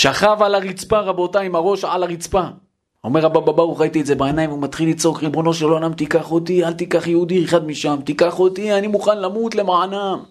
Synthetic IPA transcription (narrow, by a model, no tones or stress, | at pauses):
ʃaχavalaʁit͡spaʁabo̞taimaʁo̞ʃʕalaʁit͡spa | o̞me̞ʁabababaʁuχʁait̪iedze̞baenajmvumat̪χilːit͡so̞kʁibo̞no̞ʃeloanamt̪ikaχot̪ialt̪ikaχjeud̪ieχad̪miʃamt̪ikaχo̞t̪ianimuχanlamut̪le̞maʕanam